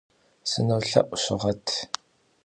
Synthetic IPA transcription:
sɨnɐwɬɐ̰ʔʷʊɕɪ̰ʁɐtʰ

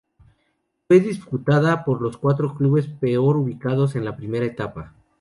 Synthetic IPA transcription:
fwe̞ðisput̪aðapo̞ɾlo̞skwat̪ɾo̞kluβe̞spe̞o̞ɾuβikaðo̞s̬e̞nlapɾime̞ɾaet̪apa

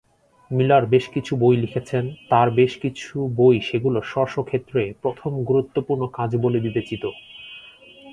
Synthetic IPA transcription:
milaɾbeʃkit͡ɕʰubojlikʰet͡ɕʰent̪aɾbeʃkit͡ɕʰubojʃeɡuloʃɔɾʃokʰːet̪ːɾepɾot̪ʰomɡuɾut̪ːopuɾɳokad͡ʑbolebibet͡ɕit̪o

